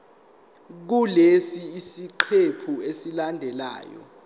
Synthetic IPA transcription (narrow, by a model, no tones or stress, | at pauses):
k̬ulesiːsiǃʰepʰuesilandʱɛla̰ːjɔ̰